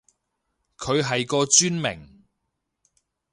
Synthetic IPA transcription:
kʰɵ˨˧ɥɦɐ˨jkɔː˧t͡ʃyː˥nmɪ̰˨˩ŋ

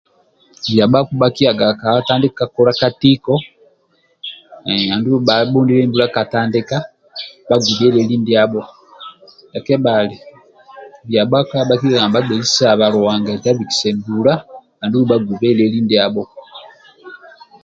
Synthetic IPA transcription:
βja˨ɓa˦ku˦ɓaki˦a˨ɡa˨ka˨taː˦ndi˦kka˨ku˦ɾa˦ka˦ti˦kɔ˨ | a˨ndu˦βu˦ɓa˨ɓu˦ndi˦lɛ˦mbu˦la˦ka˨taː˦ndi˦ka˦ | ba˦ɡu˨βɛ˦lɛ˦li˦ndia˦ɓɔ˦ | lɛ˨kɛ˦ba˨li | βja˨ɓa˦ka˦ɓa˦ki˦a˦ɡa˨mba˦ɡɛ˨zi˦sa˨βa˨ɾu˨wa˨ŋɡa˨ta˦βi˨ki̥˨sɛ˨mbula˦ | a˨ndu˦βu˦ɓa˦ɡu˨βɛ˦lɛli˦ndia˦bɔ˦

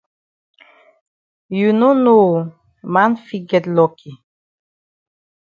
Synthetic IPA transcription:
ju˨no˦no˦˨ | ma˦nfi˦ɡɛ˨t̪lɔ˨kʰi˨

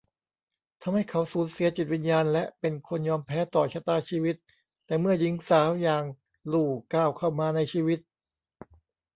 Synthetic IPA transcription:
t̪ʰa˧mha˥˩jkʰa˦˥wsuː˩˦nsi˨˩˦ɐt͡ɕi˨˩t̪̚wi˧njaː˧nlɛ˦˥ʔpe˧nkʰo˧njɔː˧mpʰɛː˦˥t̪ɔː˨˩t͡ɕʰa˧˥t̪aː˧˩t͡ɕʰiː˧wi˦˥t̪̚ː | ɛː˨˩mɯ˥˩ɐji˦ŋsaː˩˦˥wjaː˨˩ŋ | luː˨˩kaː˧˨˩wkʰa˧˥˩wmaː˧na˧jt͡ɕʰiː˧wi˦˥t̪̚

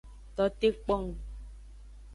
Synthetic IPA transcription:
t̪ɔ˨˦t̪e˦k͡pɔ˦˨ŋ˨

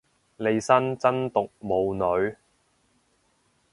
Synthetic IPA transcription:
le˨˧jsɐ˥nt͡sɐ˥nt̪ʊ˨k̚mo˨˧wnɵ˨˧ɥ

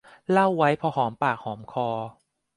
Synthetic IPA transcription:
la˥˩wːa˦˥jpʰɔ˧ɦɔː˩˦mpaː˨˩k̚hɔː˩˦mkʰɔː˧

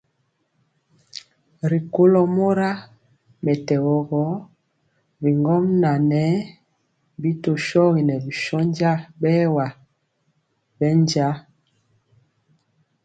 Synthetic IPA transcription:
ɾi˨ko˦lɔ˦mo˦ɾa˦ | mɛ˨tɛ˨ɣɔ˨ɣɔ˨˦ | bi˨ŋɡɔ˦mna˨nɛ˦ | bi˦to˨ʃɔ˦ɣi˨nɛ˨bi˨ʃɔ˦nd͡ʒa˦bɛ˦wa˨ | bɛ˦nd͡ʒa˦

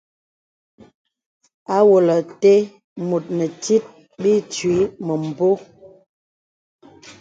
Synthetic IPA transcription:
a˦wo˨lə˨te˦ | mu˨t̚nə˨ti˦t̚ | bi˦t͡ʃɥi˨˦mə˨m̩˨bo˦

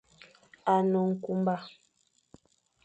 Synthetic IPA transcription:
a˨nɔ˨ŋ̩˨ku˦mba˦˨

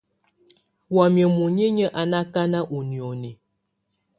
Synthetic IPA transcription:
wa˨mjə˨mu˨ɲe˦ɲə˦ʔa˨na˦ka˦na˦ʔu˨ni˨ɔ˨ni˨

